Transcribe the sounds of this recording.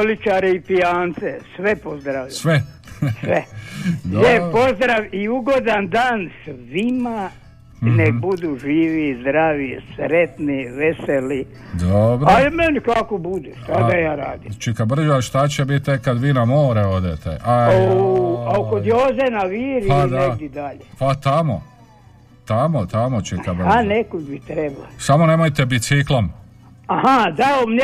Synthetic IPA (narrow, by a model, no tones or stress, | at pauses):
olit͡ʃaɾeipiaːnt̪sesʋepozd̪ɾaʋisʋe | sʋed̪jepo̞zd̪ɾaʋiuɡo̞d̪and̪aːnsʋima | nekbud̪uʒiːʋizd̪ɾaːʋisɾet̪niʋeseli | d̪obɾaimenikakobud̪eʃt̪ad̪ajaːɾa̰ːd̪it͡ʃikabr̩d͡ʑaʃt̪at͡ɕebit̪ːekad̪ʋiːnamoːɾeo̞d̪et̪ḛʔaoaokod̪jozenaʋiːɾpiad̪aeɡd̪id̪aʎepat̪amo̰ | t̪amot̪amot͡ʃikabranekod̪bit̪ɾebla̰samo̞ne̞mojt̪ebisiklˠom | ahad̪aomn